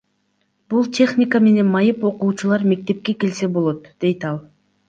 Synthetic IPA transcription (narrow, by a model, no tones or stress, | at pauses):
bulˠtʲʰe̞χnʲɪkəme̞ne̞nmɑjɯpo̞quːt͡ʃulˠɑɾme̞k̚t̪e̞p̚ke̞ke̞lse̞bo̞lˠo̞t̪d̪̥e̞jt̪ɑlˠ